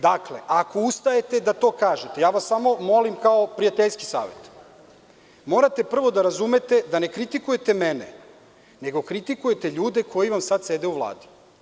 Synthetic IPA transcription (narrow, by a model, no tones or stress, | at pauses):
d̪akleʔakoust̪ae̞t̪e̞d̪at̪o̞ːkaːʒet̪e̞jaːʋasːamo̞mo̞limkaopɾijat̪eʎski̥sa̰ːʋe̞̰t̪ | mo̞ːɾat̪e̞pr̩ʋo̞d̪aɾazume̞t̪e̞d̪ane̞kɾit̪ikuje̞t̪e̞menḛ | ne̞ɡo̞kɾit̪ikujet̪e̞ʎuːd̪e̞kʰo̞jiʋamsad̪sed̪euʋlˠa̰ːd̪i̥